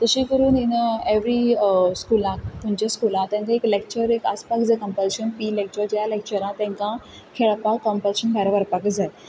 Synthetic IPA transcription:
t̪əɕiːkəɾuːninəeʋɾiskulãpũɲt͡ɕaskulãt̪ɛ̃ŋkãeklek̚t͡ɕəɾeka̰spakd͡zəkə̃mpəlɕənpiːlek̚t͡ɕəɾd͡ʑjalek̚t͡ɕəɾãt̪ɛ̃ŋkã | kʰeɭpakːəmpəlɕənbʱaɾaʋəɾpakd͡za

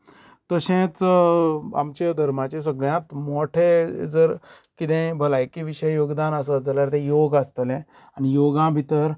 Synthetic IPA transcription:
t̪əɕẽt͡s | a̰mt͡ɕad̪ʱəɾmat͡ɕẽs̬əɡɭjãt̪moʈʰed͡zəɾ | kit̪ɛ̃bʱəlajkiʋiɕəjjoɡd̪anəs̬əd͡zəljaɾt̪ẽjoɡast̪lɛ̃ | anijoɡãbʱit̪əɾ

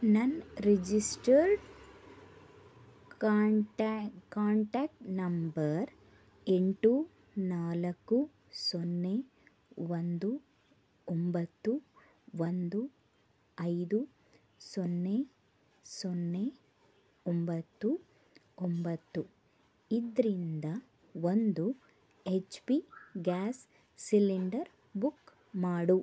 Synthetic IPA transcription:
nɐnɾed͡ʒisʈɐɾɖ | kaːɳʈaːk̚ʈnɐmbɐɾ | eɳʈu | naːlɐkːu | sonːeː | ʋɐnd̪u | ombɐt̪ːu | ʋɐnd̪u | ɐjd̪u | sonːe | sonːe | ombɐt̪ːu | ombɐt̪ːu | id̪ɾind̪ɐ | ʋond̪u | et͡ʃpiɡaːs | siliɳɖɐɾ | buk | maːɽu

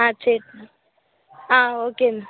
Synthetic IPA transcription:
at͡ʃʰeʈ̚ | aoke

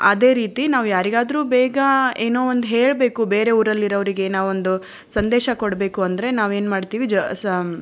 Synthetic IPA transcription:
ɐd̪e̞ːɾiːt̪inaːʋujaːɾiɡaːd̪ɾuːbɛːɡɐeːnoːond̪ɦeːɭbe̞ːkube̞ːɾe̞uːɾɐlːiɾɐʋɐɾiɡeːnaːond̪u | sɐnd̪ɛːʃɐkɔɽbe̞ːkuɐnd̪ɾe̞naːʋe̞ːnmaːɖt̪iːʋid͡ʒ

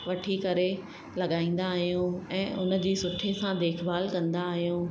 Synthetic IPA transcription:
ʋɐʈʰikɐɾe | lɐɠaːĩːn̆d̪aːɦijũɛ̃ːʔʊnə̆d͡ʑiːsʊʈʰesãd̪eːkʰbaːlkɐ̃nd̪aːɦijũː

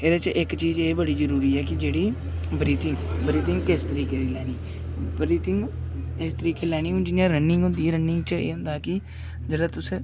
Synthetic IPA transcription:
ɪːd̪eːt͡ʃʔɪkt͡ʃiːzeːbəɽiːzəɾuːɾiːɛːkɪd͡ʒeːɽiː | bɾiːt̪ʰɪŋɡbəɾiːt̪ɪŋɡkɪst̪əɾiːkeːd̪iːlɛːɽ̃iː | bɾiːt̪ʰɪŋɡ | ɪst̪əɾiːkeːlɛːɽ̃iːũːd͡ʒɪnijãːɾənɪ̃ŋɡɦʊ̃nd̪iːɾənːɪŋɡt͡ʃəḛːɦʊ̃nd̪aːkɪ | d͡ʒəɽaːt̪ʊsẽː

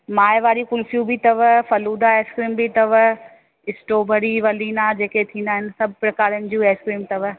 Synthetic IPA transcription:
maːɪʋaːɾikʊlfijũbʱɪt̪ɐʋfɐluːd̪aeːskɾiːmbɪt̪ɐʋ | ɪsʈoːbʱɐɽiʋɐliːnad͡ʑeːket̪ʰĩːnd̪aːɦɪnɪ̆sɐbʱʊpɾɐkaːɾənɪ̆d͡ʑũːeːskɾiːmt̪ɐʋ

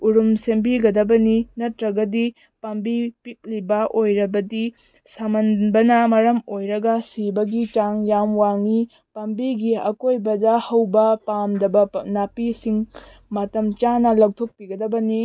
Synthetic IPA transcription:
uɾumsembiɡɐdɐbɐninɐtɾɐɡɐdi | pɐmbipik̚libɐʔojɾɐbɐdi | sɐmɐnbɐnɐmɐɾɐmojɾɐɡɐsibɐɡit͡ʃaŋjamwaŋi | pɐmbiɡiɐ̰kojbɐdɐhɐwbɐpamdɐbɐnapisiŋ | matɐmt͡ʃanɐlɐk̚tʰok̚piɡɐdɐbɐni

